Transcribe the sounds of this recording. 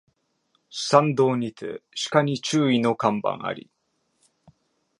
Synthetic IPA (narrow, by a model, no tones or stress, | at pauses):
sãnd̪o̞ːɲ̟it͡sɨ̰ɕi̥kaɲ̟it͡ɕɨːino̞kãmbã̰ɰ̃a̰ɾʲḭ